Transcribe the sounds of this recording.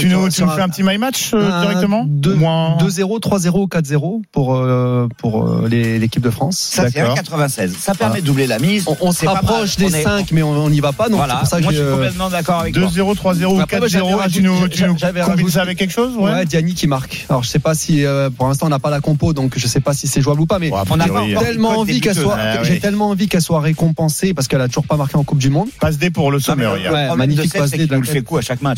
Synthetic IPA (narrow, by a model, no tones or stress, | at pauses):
t̪yut̪yufɛɛ̃pət̪imajmat͡ʃød̪iʁɛkt̪əmɑ̃d̪ømwɛ̃d̪øzeʁot̪χwazeʁoukat̪χzeʁopuʁøpʰuʁø̰lezekʲip̚d̪əfχɑ̃ssaakɔkat̪χəvɛ̃sɛzsapɛʁmɛd̪əd̪ublelamiz̃ɔ̃sɛapχɔʃd̪esɛ̃kmɛɔ̃ɔ̃nivapanɔ̃lɛpuʁsakʒʒjɛt̪mɑ̃d̪akɔʁavɛd̪øzeʁot̪χwazeʁokeʒnuyʒavɛaʒusavɛkːɛkʃozwɛwɛd̪janikʲimaʁkalɔʁʒəsɛpasiøpuʁlɛ̃st̪ɑ̃ːnapalakɔ̃pod̪ɔ̃kʒəsɛpasisɛʒuablupamɛ̃ʒet̪ɛlmɑ̃ːvikɛlswaʒet̪ɛlmɑ̃ɑ̃vikɛlswaʁekɔ̃pɑ̃sepaʁsə̥kɛlat̪uʒuʁpamaʁkʲeɑ̃kup̚d̪ymɔ̃d̪pas̬d̪epuʁləsɔmøʁj̰wɛmaɲifikpas̬d̪euɛkuaʃakma